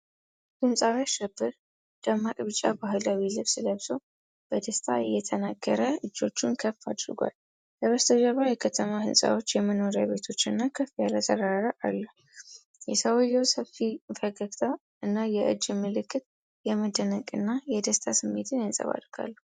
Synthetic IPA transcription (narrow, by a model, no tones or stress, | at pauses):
hɨmsʼaβaʃɛbːɨɾ | d̪̥amːakʼβɨt͡ʃʼːa̰baɦɨlawilɨβsɨləβsəw | b̥əd̪əst̪ʰʼa̰ɪjːɛt̪ʰənaɡːəɾəɨd͡ʒːo̞t͡ʃːunkʰəfːad̪ɾɡʷa̰l | ləβəst̪ʰəd͡ʒəβajɛkʰət̪ʰəmahɨnsʼa̰wo̞t͡ʃːjɛmənoɾjaβe̞t̪ʰo̞t͡ʃːɨnːakʰəfːijaɾət̪ʰəɾaɾaʔalːu | jɛsʰəwɔjɛwsəfifəɡəɡt̪ʰa | ɨnːajɛʔɨ̰d͡ʒːɨmɨlɨkːɨt̪ | jɛməd̪ənəkʼɨnːajɛd̪əst̪ʼasɨmːet̪ʰɨnhɨnsʼə̰βa̰d̪ɾɡ̥a̰lːu